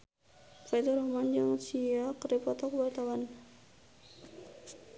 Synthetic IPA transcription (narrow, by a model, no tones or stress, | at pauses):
fad̪ɔɾɔhmand͡ʒaŋsiakəɾipɔt̪ɔkəbat̪awan